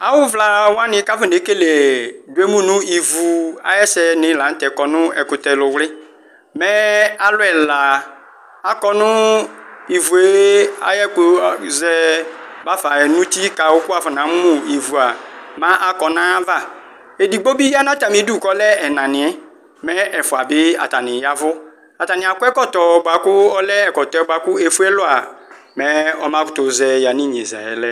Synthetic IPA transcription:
a˨wʊ˦vla˨wa˦nɪ̃˨˦ka˦fɪ˦ne˨˦ke˦le˨dʊ˨˦e˦mũ˦nʊ̃˦i˨vu˨a̰˦jɛ˦sɛ˦nɪ̃˨la˨n̩˦t̪ɛ˨kɔ˨nʊ̃˦ɛ˨kʊ˨t̪ɛ˨lʊ˨wlɪ˦ | mɛ˦a˨lʊ˦ɛ˨la˨ | a˨kɔ˦nʊ̃˦ | i˨vu˨e˦a̰˨jɛ˦k͡pʊ˨zɛ˦ba˦fa˨ɛ˨nʊ̃˦t̪i˦ka˨wʊ˦kʊ˦a˨fɪ˨nã˨˦m˦mʊ̃˦i˨vu˨a˨mã˦ʔa˦˨kɔ˨nã˦va˦˨ | e˨di˨ɡ͡bo˦bi˦a˦nã˦ta˨mĩ˦du˦˨kɔ˦lɛ˦ɛ˨nã˨nɪ̃˨˦ | mɛ˦ʔɛ˨fʊ˨a˨bɪ˦a̰˨ta˨nɪ̃˨ja˦vʊ˦ | a˨ta˨nɪ̃˨a˨kʊ˦ɛ˦kɔ˦tɔ˨ba˨kʊ˦ɔ˦lɛ˦ɛ˨kɔ˨tɔ˨ɛ˨˦ba˨kʊ˦e˨fu˦ɛ˦lʊ˦a˨ | mɛ̃˦ɔ˦mã˦kʊ̥˦tʊ˨zɛ˨ja˨nɪ̃˦˨ɲe˨za̰˨ɛ˨lɛ˦

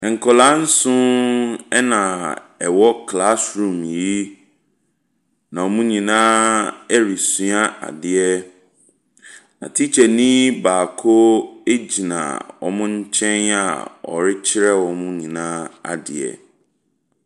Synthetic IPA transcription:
ɛ̃˨ŋ̩˨kʰɔ˨lã˦n̩˦sʊ̃˦ɛ˦nã˨ɛ˨wɔ˦kʰla˦sɾũ˨m˨ji˦ | nã˨ɔ˨mũ˦ɲĩ˨nãː˦ɛ˦ɾi˨sũ˦a˦a̰˨dɪ˨ɛ˦ | nã̰˨tʰi˦t͡ɕʰɛ˨nĩ˦baː˨kʰo˦e˦d͡ʑi˨nã̰˨wɔ̰˨mʊ̃˦ɲ̩˦t͡ɕʰɛ̃˦na̰˨ɔ̰˨ɾɪ˦t͡ɕʰɪ˦ɾɛ˦wɔ̃˨mʊ̃˦ɲĩ˨nã˦a̰˨dɪ̰˨ɛ̰˨

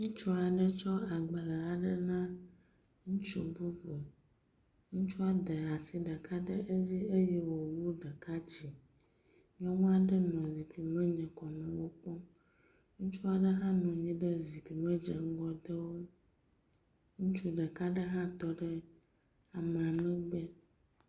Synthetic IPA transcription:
ŋũ˦t͡ʃu˦a˨ɖə˦t͡ʃɔ˦a˨ɡ͡bə˨lɛ˨la˦ɖə˦nã˦ | ŋũ˦t͡ʃu˦bu˦bo˨ | ŋũ˦t͡ʃu˦a˦d̪ə˨ɾa˨si˨ɖə˨ka˦ɖə˦ʔe˦d͡ʑi˦e˦jɛ˦wo˨wu˦ɖə˨ka˦d͡ʑi˨ | ɲ˦ɔ̃˦ŋũ˦a˨ɖə˦nɔ̃˨zi˨ki˨mɛ̃˦ɲɛ̃˨kɔ˨mɛ̃˨wo˦k͡pɔ˦ | ŋũ˦t͡ʃu˦a˦ɖə˦ɦã˦nɔ̃˨ɲĩ˦ɖə˦zi˨ki˨mɛ̃˦d͡ʒɛ̰˨ŋ̩˦ɡɔ˦d̪ə˦wo˦ | ŋũ˦t͡ʃu˦ɖə˨ka˦ɖə˦ɦã˦t̪ɔ˦ɖə˦ | a˨mɛ˨a˨mɛ̃˦ɡ͡bɛ˦

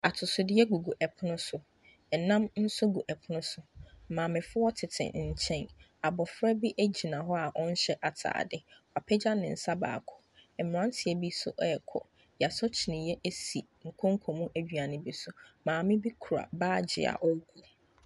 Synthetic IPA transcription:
a˨tʰʊ˨sʊ˨dɪ˦jɛ˦ɡu˨ɡu˨ʔɛ˨pʰʊ˦nʊ̃˦sʊ˨ | ɛ˨nã˦mn̩˦sʊ˦ɡu˨ʔɛ˨pʰʊ˦nʊ̃˦sʊ˨˦mãː˨mɪ̃˨fʊ˦ɔ˦tʰɪ˨tʰɪ̰˨ɲ̩˨t͡ɕʰɛ̃˦n | a˨bɔ˨fɾɛ˦bi˦ʔæ˦d͡ʑi˨nã˨ɦɔ˦a˨ʔɔ̃˦n̩˦ɕɛ˦ʔa˨tʰa̰ː˨dɪ˦ | a˨pʰɛ˦d͡ʑa˦nɪ̃˨n̩˨sa˦ba̰ː˨kʰɔ̥˨ɛ˨m˨ã˦ntʰɪ˨ɛ˨bi˦sʊ̰˦ʔɛ˨kʰɔ̰˨ | ja˨sɔ˦t͡ɕʰɪ˨nɪ̃˨jɛ˦ʔe˦si˨ | ŋ̩˨kʰɔ̃˦ŋ̩˦kʰɔ˨mũ˦ʔæ˦d͡ʑᶣɥa˨nɪ̃˦bi˦sʊ˦mãː˨mɪ̃˦bi˦kʰu˨ɾa̰˨baː˦˨d͡ʑɪ̰˨a̰˨ʔɔ˦ɡu˨

